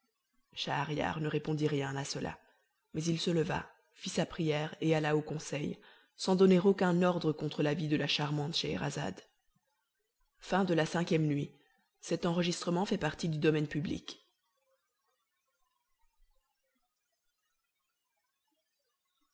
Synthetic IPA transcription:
ʃaːʁja̰ʁnəʁepɔ̃d̪iʁjɛ̃asəlʔa̰ | mɛzilsələva̰ | fisapχijɛʁealaokɔ̃sɛj | sɑ̃d̪ɔneʁokʲɛ̃nɔʁd̪ʁəkɔ̃t̪χəlavid̪əlaʃaʁmɑ̃t̪ʃeɛ̰ʁa̰za̰d̪ | fɛ̃d̪əlasɛ̃kʲjɛmnɥi | sɛt̪ɑ̃ʁəʒist̪χəmɑ̃fɛpaʁt̪id̪yd̪ɔmɛnpyblḭk

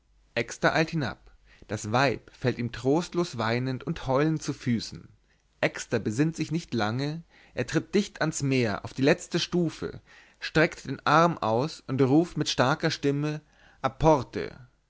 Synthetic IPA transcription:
ʔɛkstɐʔaɪlthɪna̰p | d̥asvaɪpfɛltiːmtʁ̥oːstloːsv̥aɪnəntʊnthɔʏlənt͡sufyːsn̩ | ʔɛkstɐbəzɪntz̥ɪçnɪçtlaŋə | ʔeːɐtʁ̥ɪt̚d̥ɪçtansmeːɐʔa̰ʊfd̥iːlɛt͡stəʃtuːfə̰ | ʃtʁ̥ɛktd̥eːnʔaʁmʔa̰ʊsʊntʁuːftmɪtʃtaɐkɐʃtɪmə | ʔapʰɔʁtʰə̰

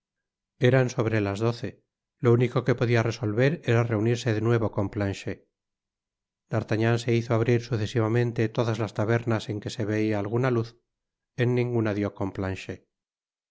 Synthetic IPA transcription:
e̞ɾanso̞β̞ɾe̞lazðo̞θe̞ | lo̞uniko̞ke̞po̞ðiare̞so̞lβe̞ɾe̞ɾare̞uniɾse̞ðenwe̞β̞o̞ko̞mplanʃe | d̪aɾt̪aɲanse̞iθoaβɾiɾsuθe̞siβamẽ̞nt̪e̞t̪o̞ðazlast̪aβe̞ɾnase̞ŋke̞se̞βe̞iaːlɣunaluθ | e̞nːĩŋɡunaðjo̞ko̞mplanʃe

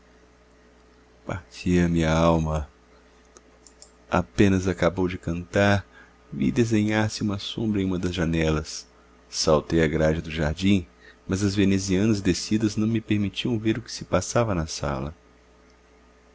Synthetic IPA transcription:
pa̰ɾt͡ʃiɐmĩɲɐaawmɐ | a̰pẽnɐzakabowd͡ʒɪkɐ̃nt̪aɾ | vḭd̪ezẽɲaɾsɪũmɐsõmbɾɐ̃j̃ũmɐd̪ɐzʒanɛlɐsː | awt̪ejɐɡɾaʒɐd̪ʊʒaɾd͡ʒĩmɐzɐzveneziɐ̃nɐzd̪esid̪ɐznɐ̃w̃mɪpeɾmit͡ʃiɐ̃w̃veɾʊkɪ̥sɪpasavɐnɐsa̰lɐ̰

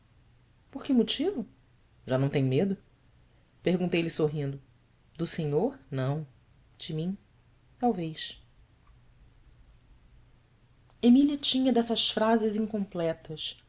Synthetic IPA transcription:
poɾkɪmʊt͡ʃivʊ | ʒanɐ̃w̃t̪ẽj̃ʊ̃med̪ʊ | pehɡunt̪ejlɪsoɦĩnd̪ʊ | d̪ʊsẽɲoɾnɐ̃w̃ | d͡ʒɪmĩ | t̪awvejʃ | emiliɐt͡ʃĩɲɐd̪ɛsɐsfɾazɪzĩŋkõmplɛt̪ɐs

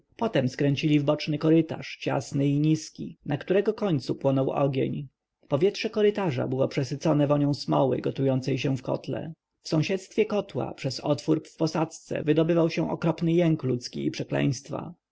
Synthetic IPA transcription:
pɔt̪ɛmskɾɛɲt͡ɕilʲivbɔt͡ʂnɘkɔɾɘt̪a̰ʂt͡ɕa̰snɘiɲiskʲḭnakt̪uɾɛɡɔkɔɲt̪supwɔnɔwɔ̰ɡʲjḛɲ | pɔvʲjɛtʂɛkɔɾɘt̪aʐa̰bɘwɔpʂɛsɘt̪sɔnɛvɔɲɔ̃w̃smɔwɘ̰ɡɔt̪ujɔnt̪sɛjɕɛ̃fkɔ̰t̪lɛ̰ | fsɔ̃w̃ɕɛt̪st̪fʲjɛkɔt̪wa̰pʂɛsɔt̪fuɾpfpɔsat̪st̪sɛ̰vɘd̪ɔbɘvawɕɛ̃ʔɔ̰kɾɔpnɘjɛŋklut̪skʲḭːpʂɛklɛ̰j̃st̪fa̰

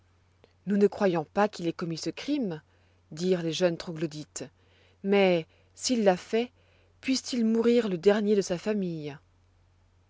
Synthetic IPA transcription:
nunəkχwajɔ̃pakilɛkɔmisəkχim | d̪iʁleʒœnt̪χoɡlod̪it̪ | mɛ | silːafɛ | pɥist̪ilmuʁiʁləd̪ɛʁnjed̪əsafamij

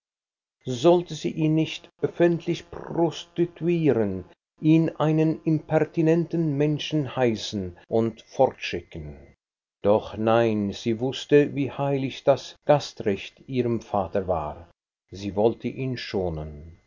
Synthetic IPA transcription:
zɔltəzḭːʔiːnːɪçtœfɛntʰlɪçpʁʁɔstitʰuiːʁən | ʔiːnʔaɪnənɪmpʰɛʁtinɛntn̩mɛnʃn̩haɪsn̩ʔʊntfɔʁtʃɪkən̩ | d̥ɔχnaɪnz̥iːvʊstəviːhaɪlɪçd̥asɡ̥astʁɛçtʔiːʁəmfaːtəva̰ːʁ | ziːvɔltʰəʔiːnʃoːnən

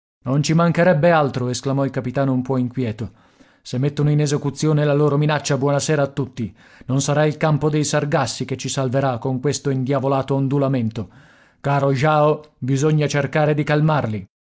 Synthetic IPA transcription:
nont͡ʃimaŋkeɾɛbːealt̪ɾoesklamɔilkapit̪aːnoumpɔiŋkwjɛːt̪o | semːet̪ːonoinezekut̪sːjoːnelaloːɾominat͡ʃːabwɔːnasɛːɾaːt̪ːut̪ːi | nonsaɾailkampod̪ejsarɡasːiket͡ʃːisalveɾakːoŋkwest̪oind̪javolaːt̪oːnd̪ulament̪o | kaːɾoʒaːobizoɲːat͡ʃerkaːɾed̪ikalmarli

